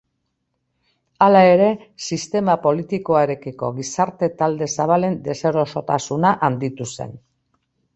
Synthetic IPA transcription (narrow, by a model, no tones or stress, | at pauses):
alae̞ɾe̞sist̪e̞mapo̞lit̪iko̞aeɾe̞kiko̞̰ɣisaɾt̪e̞t̪ald̪e̞saβ̞ale̞nd̪e̞seɾo̞so̞t̪asunaʔand̪it̪use̞̰n